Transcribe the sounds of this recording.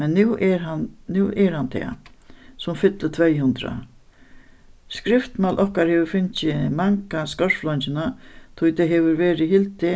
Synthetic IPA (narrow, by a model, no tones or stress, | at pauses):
mɛnːuːɛɾannʉːʔɛɾhant̪ʰɛ̰ːsʊmfɪt̪lət̪ʰvɛjhʉnt̪ɾa̰ | skɾɪft̪malʔɔhkaɾhɛːʋəɾfɪnt͡ʃɪmaŋkaskœɹflɔnt͡ʃɪnat̪ʰʊjt̪ʰɛɦɛːʋʏɾʋɛːɾɪhɪlt̪ɪ